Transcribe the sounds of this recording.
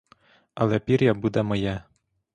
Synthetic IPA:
ɐlˠɛpʲiɾjabud̪ɛmɔjɛ

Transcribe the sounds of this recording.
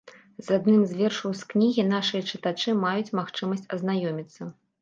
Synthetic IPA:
zad̪nɨmzʲvʲɛrʂɐwsknʲiɣʲinaʂɨjɐt͡ʂɨt̪at͡ʂɨmajut͡sʲmaxt͡ʂɨmɐsʲt͡sʲɐ̰znajɔmʲit̪sːɐ

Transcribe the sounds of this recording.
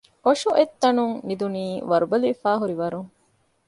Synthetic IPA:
oʂuʔet̪ːɐnuŋnid̪uniːʋɐɾubɐliifaːɦuɾiʋɐɾuŋ

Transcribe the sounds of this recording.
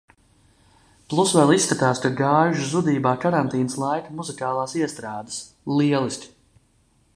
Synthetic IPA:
plˠusvɛlˠisːkat̪aːskaɡaːʒuzud̪iːbaːkaɾant̪iːnəslˠajkɐmuzikaːlˠaːsiɛst̪ɾaːd̪ə̥s | lˠiɛlˠisʲt̪ʲ

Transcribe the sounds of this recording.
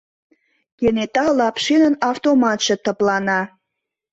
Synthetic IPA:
kenet̪ɑlɑpʃinənɑft̪omɑt̪ʒ̥ĕt̪əplɑnɑ

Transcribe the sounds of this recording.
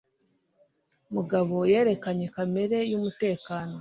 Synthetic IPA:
muɡaβo̞je̞ːɾe̞kaɲe̞kame̞ɾe̞jumute̞ːkaːno̞

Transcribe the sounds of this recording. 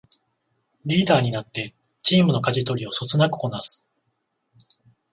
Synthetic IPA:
ɾʲiːd̪aːɲ̟inat̪ːe̞ | t͡ɕiːmɯ̟no̞kaʑit̪o̞ɾʲio̞so̞t͡sɨnakɯ̥ko̞nasɨ̥

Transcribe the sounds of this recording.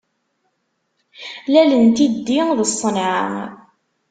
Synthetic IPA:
lælənt̪id̪ːiðəsˤːənʕə̰

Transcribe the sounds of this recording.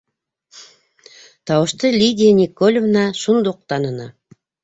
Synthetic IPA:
t̪ʰɑwəʃt̪əlʲid̪ʲinʲikːolʲvnɑʃund̪uq̚t̪ɑnənɑ̰

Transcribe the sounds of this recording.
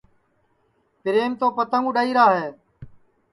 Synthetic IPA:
pɪɾeːmt̪oːpət̪əŋuːɗəːiːɾaːɦeː

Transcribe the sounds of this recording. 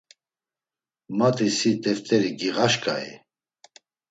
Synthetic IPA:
mat̪ʰʼisit̪ʼɛft̪ʼɛɾiɡiɣaʃkʼaḭ

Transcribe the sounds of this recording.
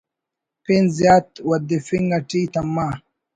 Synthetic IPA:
pinzjaːt̪wɐd̪ifiŋɡɐʈit̪ɐmːa

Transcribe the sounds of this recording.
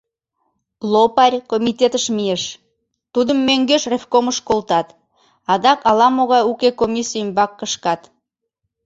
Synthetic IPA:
lopɑrʲkomʲit̪ʲet̪əʃmieʃ | t̪ud̪əmːøŋɡøʃrefkoməʃkolt̪ɑt̪ | ɑd̪ɑkɑlɑmoɣɑjukekomʲisijəmbɑkːəʃkɑt̪

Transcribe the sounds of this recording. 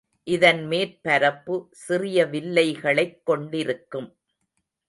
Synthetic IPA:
ʔɪðɐnmeːɾpɐɾɐpːɯsɪrɪjɐʋɪlːɐɪɣɐɭɐɪkːɔɳɖɪɾɯkːɯm

